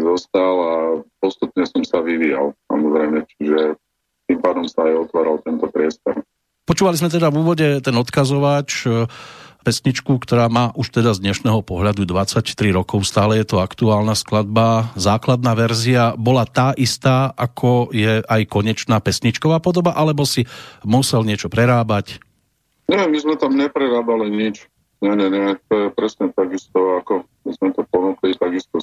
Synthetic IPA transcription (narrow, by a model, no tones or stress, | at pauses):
zɔst̪alapɔst̪upɲɛsɔmsaʋiʋiːja̰lsa̰mɔzɾɛmɲɛt͡ʃi̥ʒɛ | t̪impaːd̪ɔmsaːjɔt̪ʋaːɾalt̪ɛnt̪ɔpɾɪɛst̪ɔɾ | pɔt͡ʃuːʋalizmɛt̪ɛd̪avuːʋɔɟɛt̪ɛnɔt̪kazɔʋat͡ʃ | pɛsɲit͡ʃkukt̪ɔɾaːmaːʔuʃt̪ɛd̪azd̪ɲɛʃnɛːɦɔpɔɦʎad̪ud̪ʋat͡sact̪ɾiɾɔkɔʊst̪aːlɛjɛt̪ɔakt̪uaːlnasklad̪̚bazaːklad̪naːʋɛɾziabɔlat̪aːʔist̪aːʔakʰɔjɛʔajkɔɲɛt͡ʃnaːpɛsɲit͡ʃkɔʋaːpɔd̪ɔbaʔalɛbɔsimusɛlɲɪɛt͡ʃɔpɾɛɾaːbac | ɲɛmizmɛt̪amɲɛpɾɛɾaːbaliɲit͡ʃ | ɲɛɲɛɲɛt̪ɔjɛpɾɛsɲɛt̪aɡist̪ɔakɔ | mizmɛt̪ɔpɔnuklit̪aɡist̪ɔ